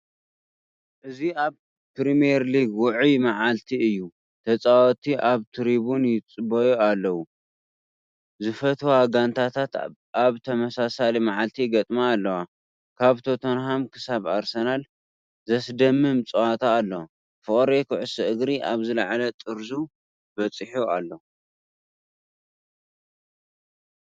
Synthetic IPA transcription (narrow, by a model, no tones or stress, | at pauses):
ʔɨziaβ | pɾimijɛɾliɡwʊʕujmaʕalt̪ʰiɨjːu | t̪ʰɐt͡sʼawɔt̪ʰiʔaβt̪ʰɨɾiβunjɪt͡sʼɨbɐjualːɐwu | zɨfɐt̪ʰoaɡant̪ʰat̪ʰat̪ | ʔaβt̪ʰɐmɐsasalimaʕalt̪ʰiɡɐt̪ʼmaːlːɐwa | kʰaβt̪ʰot̪ʰonhamkʰɨsaβaɾsɐnal | zɐsd̪ɐmːɨmt͡sʼɨwat̪ʰaːlːɐw | fɨχʼɾekʰɨʕʊsɐʔɨɡɾiʔaβzɨlaʕlɐt̪ʼɨɾzu | bɐt͡sʼɨħualːo